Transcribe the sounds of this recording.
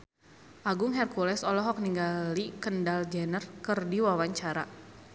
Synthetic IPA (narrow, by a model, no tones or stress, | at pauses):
ʔaɡʊŋɦɛrkulɛsɔlɔɦɔk̚niŋɡalikəndald͡ʒɛnərkərdiwawaɲt͡ʃaɾa̰